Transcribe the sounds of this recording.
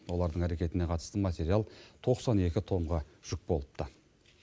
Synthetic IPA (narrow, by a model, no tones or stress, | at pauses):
wo̞lˠɑɾd̪əɴæɾe̞kʲe̞t̪ɪne̞qʰɑt̪ə̥st̪əmat̪ʲe̞ɾialˠt̪ʰo̞qsɑne̞kʲɪt̪ʰo̞mʁɑʒ̥ʏk̚bo̞lˠə̥p̚t̪ə